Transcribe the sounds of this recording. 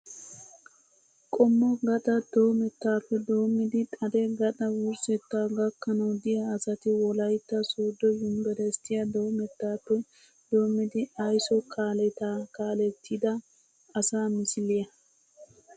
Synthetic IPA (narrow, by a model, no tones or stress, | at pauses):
kʼɔmːɔɡɐɗ̪ɐd̪̥o̞ːmɛt̪ːaːpːɛd̪oːmːɪd̪ɪt̪ʼɐd̪ɛɡɐt̪ɐwʊɾsɛt̪ːaːɡɐkːɐnɐwd̪ɪjɐːsɐt̪ɪwɔlɐjt̪ːɐsoːd̪ːɔjʊmbɛɾɛst̪ɪjɐd̪oːmɛt̪ːaːpːɛ | d̪̥o̞ːmːɪd̪ɪɐjsɔkʰaːlɛt̪aːkaːlɛt̪ʰːid̪ɐ | ɐsaːmɪsɪlɪjɐ